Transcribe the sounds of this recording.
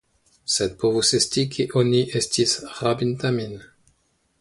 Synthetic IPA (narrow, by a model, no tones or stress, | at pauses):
sed̪̚povusestikʰeʔoniʔestisʁabint̪amin